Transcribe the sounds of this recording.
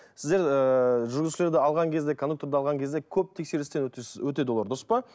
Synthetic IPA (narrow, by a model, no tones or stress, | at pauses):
sɪzd̪e̞ɾəʒʏɾɡʲɪzʃɪlʲe̞ɾd̪ɪɑlˠʁɑŋkʲʰe̞zd̪e̞kʰo̞nd̪uk̚t̪o̞ɾd̪ɑlˠʁɑŋkʲe̞zd̪e̞kʲʰɵp̚t̪ʰe̞kse̞ɾɪst̪enwɵt̪e̞d̪wlˠɑɾd̪ospɑ